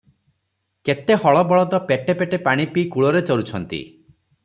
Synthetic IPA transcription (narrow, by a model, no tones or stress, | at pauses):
ket̪ehɔɭɔbɔɭɔt̪ɔpeʈepeʈepaɽ̃ipikuɭɔɾet͡ʃɔɾut͡ʃʰɔnt̪ḭ